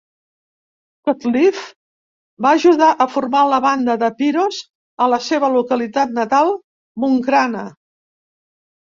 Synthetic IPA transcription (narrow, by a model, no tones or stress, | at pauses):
kot̪lif | baəʒuðaʔəfurmaləβand̪əðəpiɾoz | ələseβəlukəlit̪at̪nət̪alˠ | muŋkɾanə